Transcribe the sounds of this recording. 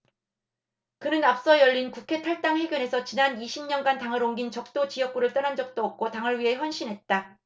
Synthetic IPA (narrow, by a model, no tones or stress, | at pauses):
kɯnɯnap̚s͈ʌjʌʎːinkukʰe̞tʰaɭt͈aŋwe̞ɡjʌne̞sʰʌt͡ɕinaniɕʰimɲʌnɡantaŋɯɾoŋɡint͡ɕʌk̚t͈ot͡ɕijʌk̚k͈uɾɯɭt͈ʌnɦand͡ʑʌk̚t͈oʌp̚k͈ʰotaŋɯɭɥiɦe̞çjʌnɕ͈ʰinɦe̞t̚t͈a